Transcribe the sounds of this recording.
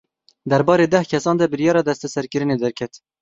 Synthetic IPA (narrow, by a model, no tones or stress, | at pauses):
d̪ɛɾbɑːɾeːd̪ɛhkʰɛsɑːnd̪ɛbɨɾjɑːɾɑːd̪ɛst̪ɛsɛɾkɨɾɨneːd̪ɛɾkʰɛt̪